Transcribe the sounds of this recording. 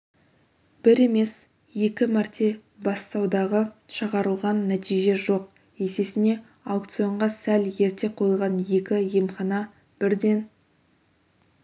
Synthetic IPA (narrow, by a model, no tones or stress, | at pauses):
b̥ɪɾe̞me̞s | je̞kʲɪmɑɾt̪ʲʰe̞ | bɑst̪ɑwd̪ɑʁəʃəʁɑɾəlˠʁɑnːæt̪ijʒe̞ʒo̞q̚ | je̞se̞sɪne̞ | awk̚t̪sijo̞ɴʁɑsælje̞ɾt̪e̞qʰo̞jəlˠʁɑnje̞kʲɪje̞mχɑnɑ | b̥ɪɾd̪e̞n